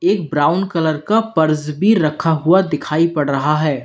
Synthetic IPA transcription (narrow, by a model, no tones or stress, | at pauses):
eːkbɾaːʊnkɐləɾkapɐɾzbʱiɾɐkʰaɦuad̪ɪkʰaːipɐɽɾɐɦaɦɛː